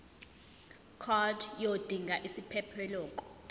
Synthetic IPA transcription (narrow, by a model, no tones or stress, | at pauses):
kʰɔdjod̥ʱiŋɡʱaʔisipʰɛpʰɛlɔːkʼɔ̥